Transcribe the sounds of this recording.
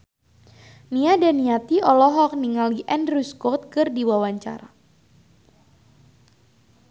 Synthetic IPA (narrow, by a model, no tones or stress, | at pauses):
niadaniat̪iɔlɔɦɔk̚niŋaliʔɛndruskɔt̪̚kɨrdiwawaɲt͡ʃa̰ɾa̰